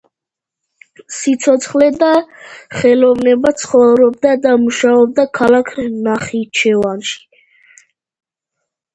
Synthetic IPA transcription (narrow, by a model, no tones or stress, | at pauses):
sit̪sʰɔt̪sʰχlɛd̪aχɛlɔvnɛbat̪sʰχɔvɾɔbd̪ad̪amuʃaɔb̚d̪akʰalakʰnaχit͡ʃʰɛvanʃi̥